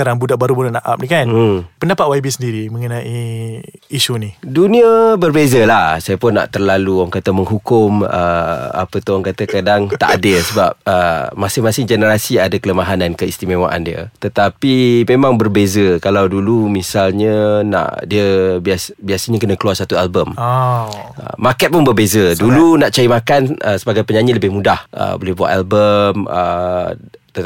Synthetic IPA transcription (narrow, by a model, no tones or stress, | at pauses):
aɾaŋbudaʔbaɾubudaʔnaʔa̰p̚nikanpəndapat̪̚waibisəndiɾiməŋənãʔiː | ʃuniduniəbərbezəlahsajəpʊnːa̰ʔt̪ərlaluaŋkat̪əməŋɦukʊmə̰a̰pət̪uhaŋkat̪akadaŋt̪a̰ʔadɪlsəbap̚əmasɪŋmasɪŋd͡ʒənəɾasiadakələmaɦanankəist̪imewa̰ʔa̰ndiə̰t̪ət̪apimemãŋbərbezəkalawdulumisalɲənã̰ʔdiəbiasbiasəɲakənə̃kəluarsat̪ualbəm | ə̰ːakɛt̪̚pʊnbərbezədulunaʔt͡ʃaimakanəsəbaɡajpəɲaɲɪləbɪhmũdahʔə̰bolɛhbua̰ʔalbəmə | t̪